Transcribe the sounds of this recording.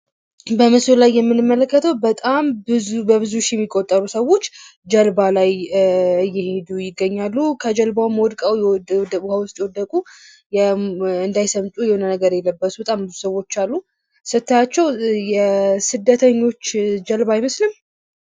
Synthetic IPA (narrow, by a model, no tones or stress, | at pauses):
bəməslajːɛmːɨnɨmːələkːət̪ʰəwbət̪ʼambɨbəβɨzuʃjɛmːikʼo̞t̪ʼːəɾusəwo̞t͡ʃːd͡ʒəlbalajɨjːɪhe̞d̪ujɪɡːəɲːalːukʰəd͡ʒəlbawumwɔd̪kʼawd̪buhəwʊst̪ʼjɛwɔd̪ːəkʼu | jɛɨnd̪ajsəmt̪ʼujɛhonənəɡəɾjɛlːəbːəsubət̪ʼambɨzusəwːo̞t͡ʃːalːu | sɨt̪ːat͡ʃːɛwjɛsɨd̪ːət̪ʰəɲːo̞t͡ʃːd͡ʒəlbajməslɨm